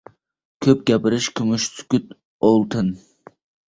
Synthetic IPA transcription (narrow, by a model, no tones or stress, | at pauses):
kʲʰøp̚ɡʲɛpɪɾɪʃkʲʰymyʃsʰy̥kʲyt̪ | olˠt̪ʰɨn